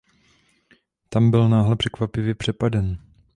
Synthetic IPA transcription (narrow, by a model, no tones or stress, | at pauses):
t̪ambɪlnaːɦlɛpr̥ɛkvapɪvjɛpr̥ɛpadɛn